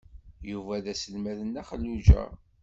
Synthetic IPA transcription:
juvæðæsəlmæðənːæχəlːud͡ʒæ̰

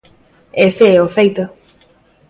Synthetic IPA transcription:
est̪eɛofejt̪o

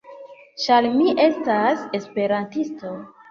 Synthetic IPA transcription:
ʃalmiʔe̞stase̞spe̞ɾantisto̞

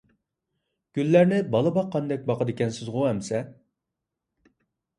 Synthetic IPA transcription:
ɡ̥ʲylːæɾnɪbɑlˠəbɑqːɑnd̪ɛk̚ʲbɑqʰəd̪ɪkʲɛnsɪzʁʊɦɛmsɛ

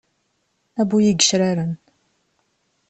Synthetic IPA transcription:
æbujiɡəʃɾaɾən

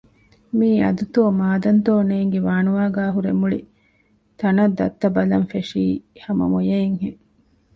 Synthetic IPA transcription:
miːɐ̰d̪ut̪oːmaːd̪ɐnt̪oːneːŋɡeʋaːnuʋaːɡaːɦuɾemuɭḭ | t̪ɐnɐd̪ːɐ̰t̪ːɐbɐlɐnfeʂiːhɐmɐ̰mojeiŋhe

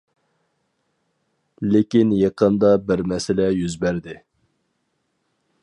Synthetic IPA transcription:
lɪkʲinjeqʰənd̪ɑbɪɾmɛsɪlɛjyzbæɾd̪ɪ

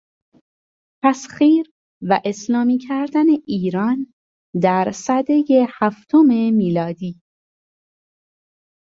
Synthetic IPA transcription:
p̪ʰæsxiːɾ | væʔe̞slɒːmiːcʰæɾd̪æne̞ʔiːɾɒːn | d̪æɾsæd̪ejehæft̪ʰome̞miːlɒːd̪iː

